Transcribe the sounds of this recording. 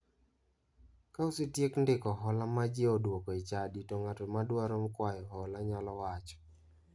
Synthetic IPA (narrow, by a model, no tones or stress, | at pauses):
kausɪtjekndɪkɔɦɔlamad͡ʒeodwokɔit͡ʃaditoŋatɔmadwaɾomkwajɔɦɔlaɲalɔwat͡ʃɔ̥